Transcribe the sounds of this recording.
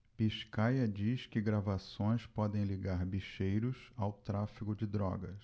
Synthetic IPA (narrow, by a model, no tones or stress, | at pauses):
piʃkajɐd͡ʒiskɪɡɾavasõj̃spɔd̪ẽj̃liɡaɾbiʃejɾʊsawt̪ɾafikʊd͡ʒɪd̪ɾɔ̰ɡɐs